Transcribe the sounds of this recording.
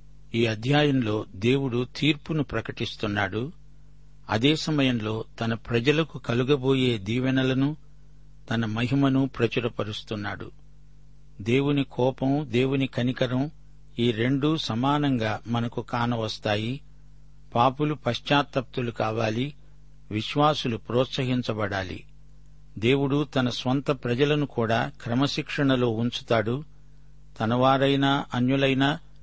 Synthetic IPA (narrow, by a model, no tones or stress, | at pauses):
iːɐd̪ʱjaːjɐmlo̞ːd̪e̞ːwuɽut̪iːɾpunupɾɐkɐʈist̪unːaːɽu | ɐ̰d̪ɛːsɐmɐjɐmlo̞ːt̪ɐnɐpɾɐd͡ʒɐlɐkukɐluɡɐbo̞ːje̞ːd̪iːʋɐnɐlɐnu | t̪ɐnɐmɐɦimɐnupɾɐt͡ʃɐɾɐpɐɾust̪unːaːɽṵ | d̪e̞ːwunikʰɔːpɐmd̪e̞ːwunikɐnikɐɾɐm | iːɾe̞ɳɖusɐmaːnɐŋɡaːmɐnɐkukaːnɐʋɐst̪aːji | paːpulupɐʃt͡ʃaːt̪ɐp̚t̪ulukaːʋaːli | ʋiʃʋaːsulupɾɔːt̪sɐɦiɲt͡ʃɐbɐɽaːlḭ | d̪e̞ːwuɽut̪ɐnɐsʋɐnt̪ɐpɾɐd͡ʒɐlɐnukuːɽaːkɾɐmɐʃikʂɐɳɐlo̞ːuɲt͡ʃu̥t̪aːɽu | t̪ɐnɐʋaːɾɐjnaːʔɐnjulɐjnaː